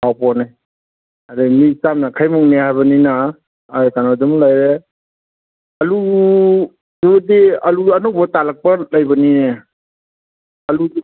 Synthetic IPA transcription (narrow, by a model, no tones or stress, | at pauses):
awpɔna | aɾimisamnakʰajmuŋnehajbɐninaː | kanɔdumlajɾe | ɐlu | dudiɐluanɔwbatalak̚pɐlajbɐnine | ɐlu